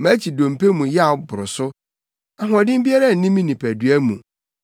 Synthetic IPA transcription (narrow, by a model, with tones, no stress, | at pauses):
mæ̃˦t͡ɕʰi˨dõ˨mpʰe˦mũ˨jɛ˦a˨˦bʊ˨ɾʊ˨sʊ˦ | a˨ɦɔ̃˨dɪ̃˦m˦bi˦a˦ɾa˦˨n̩˨nĩ˦mĩ˦nĩ˨pʰæ˨dɥæ˦mũ˨